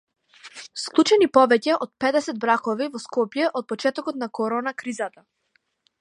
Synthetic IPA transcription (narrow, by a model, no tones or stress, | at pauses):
sklˠut͡ʃɛnipɔvɛcɛʔɔt̪̚pɛd̪ɛsɛd̪̚bɾakɔvivɔskɔpjɛʔɔt̪̚pɔt͡ʃɛt̪ɔkɔt̪̚nakɔɾɔnakɾizat̪a